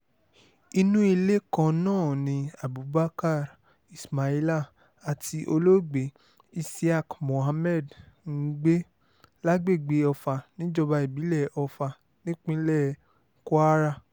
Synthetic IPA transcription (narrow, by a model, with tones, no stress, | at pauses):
i˧nũ˦i˧le˦kã˧nãː˦˨nĩ˧a˨bu˨˦ba˦ka˦˨ɾ | i˨sma˨i˦la˦˨ | a˨ti˧ʔo˧lo˦˨ɡ͡be˨˦ | i˧si˦a˦˨kmo˨ɦa˧mɛ˦˨dŋ̩˦ɡ͡be˦ | la˦ɡ͡be˦˨ɡ͡be˨˧˦ɔ˧fa˧nĩ˨˦d͡ʒɔ˧ba˧i˨bi˨˦lɛ˦˨ɔ˧fa˧ | nĩ˦k͡pĩ˦lɛ˦˨˦ | ko˦a˦ɾa˦˨